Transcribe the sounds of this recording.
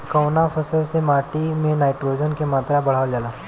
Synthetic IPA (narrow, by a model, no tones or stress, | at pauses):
kəwnafʰəsəlsemaːʈimẽnaːɪʈɾoːd͡ʒənkemaːt̪ɾabɐɽ̤aːʋəld͡ʒaːlaː